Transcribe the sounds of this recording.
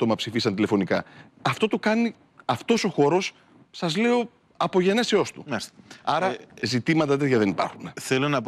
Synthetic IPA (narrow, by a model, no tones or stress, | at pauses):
t̪omɐpsifisɐnt̪ile̞fo̞nikɐɐft̪o̞t̪okɐni | ɐft̪o̞so̞xo̞ɾo̞sː | ɐzle̞o̞ | ɐpo̞ʝe̞ne̞seo̞st̪umɐsɐɾɐzit̪imɐt̪ɐt̪et̪ʝɐðe̞nipɐ̰ɾxuneθelonɐp